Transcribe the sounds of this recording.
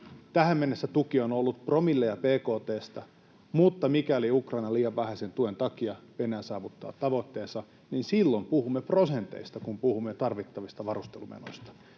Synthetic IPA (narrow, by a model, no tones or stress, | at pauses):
t̪æhæmmenːesːæt̪ukionolːut̪̚promilːejɑpeːkoːt̪eːst̪ɑ | mut̪ːɑmikæliukrɑinɑliːjɑʋʋæhæsent̪uent̪ɑkiɑʋenæːsɑːʋut̪ːɑ̰ːt̪ɑʋot̪ːeːsɑ | ninsilːompuhumːeprosent̪ḛist̪ɑkumpuhumːet̪ɑrʋit̪ːɑʋist̪ɑʋɑrust̪elumḛno̰ist̪ɑ̥